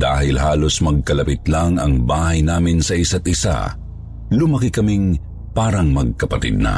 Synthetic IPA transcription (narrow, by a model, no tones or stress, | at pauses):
d̪̥aːɦɪlɦaːlo̞smɐɡ̚kɐlɐpit̪laŋɐ̰ŋbaːhɐjnaːmɪnsɐʔɪsat̪̚ʔɪsa̰ | lʊmɐkikɐmiŋ | paːɾɐŋmɐɡ̚kɐpɐt̪ɪ̰d̪̚nɐ̰